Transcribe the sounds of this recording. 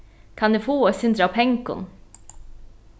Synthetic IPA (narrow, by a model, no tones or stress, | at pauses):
kʰɑnd̪ʉfoːosʉnd̪ɾapʰɛŋkʊ̰n